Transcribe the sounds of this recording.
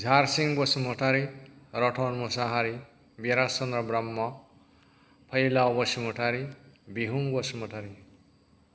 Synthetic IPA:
d͡zʱaɾsiŋbosmoʈʰaɾiɾʌʈʰonmosaɦaɾi | beɾasʌnɾʌbɾamːʌ | pʰʌjlaɔbʌsjimoʈʰaɾibiɦuŋbosmoʈʰaɾi

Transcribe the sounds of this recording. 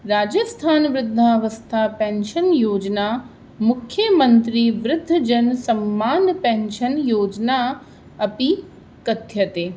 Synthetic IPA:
ɾaːd͡ʒɐst̪ʰaːnʋɾɪd̪ʱːaʋɐst̪ʰaːpɛ̃nʃənjoːd͡ʒnaː | mʊkʰːjəmɐ̃nt̪ɾiʋɾɪd̪ʱːɐd͡ʒɐnsɐmːaːnpẽnʃɐnjoːd͡ʒna | ɐpi | kɐt̪ʰjɐt̪eː

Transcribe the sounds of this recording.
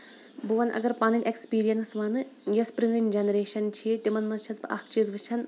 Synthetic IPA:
bɨʋɐnʔɐ̰ɡɐɾpanɐnʲʔekspiːɾijɐnsʋɐnɨjɐspɾiŋɐnʲd͡ʒɐnɐɾeːʃɐnt͡ʃʰiet̪imɐnmɐnt͡ʃʰɐzbɨʔɐkʰt͡ʃizʋɨt͡ʃʰɐn

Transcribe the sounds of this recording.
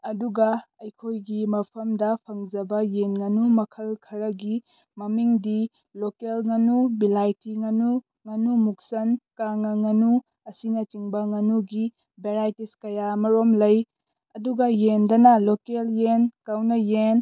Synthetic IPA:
ɐduɡɐɐjkʰojɡimɐpʰɐmdɐpʰɐŋd͡ʒɐbɐjenŋɐnumɐkʰɐlkʰɐɾɐɡi | mɐmiŋdi | lokelŋɐnubilajtʰiŋɐnu | ŋɐnumuk̚sɐnkaŋɐŋɐnu | ɐsinɐt͡ʃiŋbɐŋɐnuɡi | beɾajtiskɐjamɐɾomlɐj | ɐduɡɐjendɐnɐlokeljenkawnɐjen

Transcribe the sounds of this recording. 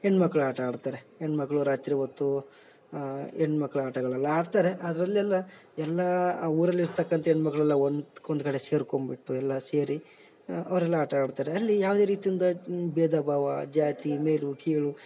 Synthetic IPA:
eɳːmɐkːɐɭuaːʈɐaːɖt̪aːɾeeɳmɐkːɐɭuɾaːt̪ɾiɦot̪ːu | eɳɖmɐkːɐɭuaːʈɐɡɐɭɐlːɐaːɖt̪aːɾeʔɐd̪ɐɾɐlːɛlːɐɛlːɐuːɾɐlːiɾt̪ɐkːɐnt̪ɐeɳɖmɐkːɐɭɐlːɐond̪ond̪kɐɽeseːɾkombiʈːuɛlːɐseːɾi | ɐʋɐɾɛlːɐaːʈɐaːɖt̪aːɾeɐlːijaːʋd̪eːɾiːt̪ijind̪ɐbɛːd̪ɐbʱaːʋɐd͡ʒaːt̪imeːlukiːɭu

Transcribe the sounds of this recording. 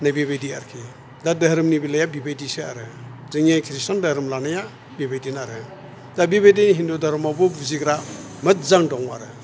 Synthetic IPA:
nabiβejdiaɾkʰi | dadɐɦɾɯmnibilajabibedisea̰ɾɯzɯŋekʰɾistandɐhɾɯmlanaja | bibejdinaɾɯ | dabibedinɦindudaɾɯmabubuziɡɾa | mɯt̚zaŋdɔŋaɾɯ

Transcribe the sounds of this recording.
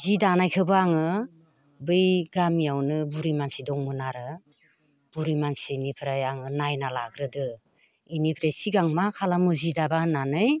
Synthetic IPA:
zidanajkʰɯbɯaŋɯ | bɯjɡamijawnɯbuɾimansidɔŋmɯnaɾɯ | b̥uɾimansinipʰɾajaŋɯnajnalaɡɾɯdɯ | inipʰɾesiɡaŋmakʰalamɯzidabananɯj

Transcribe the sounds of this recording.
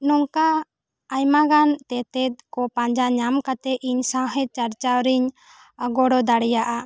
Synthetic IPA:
nɔŋkaː | jmaɡant̪ɛt̪ɛt̪̚kɔpãɲd͡ʒaɲamkat̪ɛʔiɲsãɦɛt̪̚t͡ʃaɾt͡ʃawɾiɲ | ɡɔɽɔd̪aɽɛjaʔa

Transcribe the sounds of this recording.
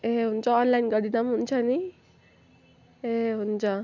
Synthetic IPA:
eɦunt͡sʰʌːnlajnɡʌɾdinamɦunt͡sʰʌni | eɦunt͡sʰʌ

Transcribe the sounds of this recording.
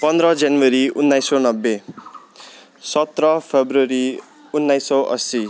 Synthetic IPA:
pʌnd̪ɾʌd͡zanwʌɾiunːajsonʌbːe | sʌt̪rʌpʰebruʌɾi | unːajsʌʔʌ̰si

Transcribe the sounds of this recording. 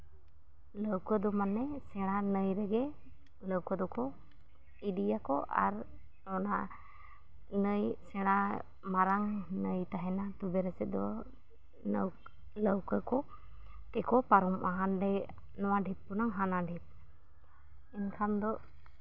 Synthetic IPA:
ləwkəd̪ɔmanːɛsɛɽ̃anəjɾɛɡɛ | ləwkɔd̪ɔkɔ | idijakɔʔa̰ɾ | ɔna | nəjsɛɽ̃a | maɾaŋnəjt̪aɦɛnat̪ubɛɾɛsɛt̪̚d̪ɔ | nəw | ləwkəkɔ | k̪ɛkɔpaɾɔmʔaɦanɖɛ | nɔwaɖʱip̪̚punaŋɦanaɖʱip̪̚ | ɛnkʰamd̪ɔ

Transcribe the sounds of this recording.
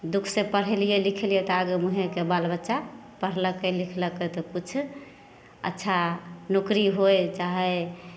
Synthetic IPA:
d̪ukʰsepəɽ̤ɛlijelikʰelijet̪ɔaɡemuɦekebalbətːʃa | pəɽ̤ləkːelikʰləkːɛt̪ɔkut͡ʃʰ | ə̰tːʃʰanukɾiɦojt͡ʃaɦɛ

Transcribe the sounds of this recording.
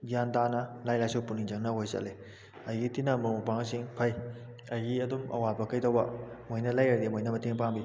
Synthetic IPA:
jantanɐlajlajsɔwpuniŋzɐŋnɐɦojsɐ̰le | ɐjitinɐmumɐpaŋsiŋpʰɐj | ɐjiɐdumɐ̰wabɐkɐjtawbɐmojnɐlajaɾdimojnɐmɐteŋpaŋbi

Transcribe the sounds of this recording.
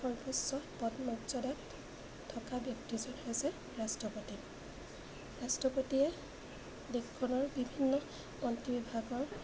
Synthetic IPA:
ɔɹpɔsːɔpɔtmɔdzɔdat | tʰːɔkabjɔk̚tizɔnhojsɛ | ɹastɹɔpoti | ɹastɹɔpotiɛ | dekkʰːɔnɔɹbibʱinːɔ | ɔntibibʱaɡɔɹ

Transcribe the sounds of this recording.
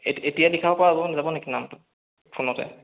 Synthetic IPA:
eetijadikʰabɔpɔaːbɔnazabɔnekinamtʊ | pʰunɔtɛ̰

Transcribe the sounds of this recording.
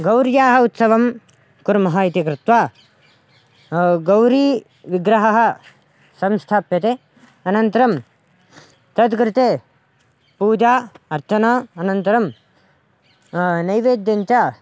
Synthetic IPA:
ɡɐwɾjaːɦɐ̆ut̪sɐʋɐm | kuɾmɐɦaːit̪ikɾɪt̪ʋaː | ɡɐwɾiː | ʋiɡɾɐɦɐɦɐ̆ | sɐmst̪ʰaːpjɐt̪e | ɐnɐnt̪ɐɾɐm | t̪ɐd̪kɾɪt̪eː | puːd͡ʒaːɐɾt͡ʃɐnɐːɐnɐnt̪ɐɾɐm | nɐjʋeːd̪jɐɲt͡ʃa

